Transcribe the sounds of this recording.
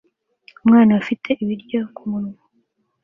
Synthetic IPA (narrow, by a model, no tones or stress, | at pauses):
umŋaːnawafitʰe̞ʔiβiɾɟo̞kumunu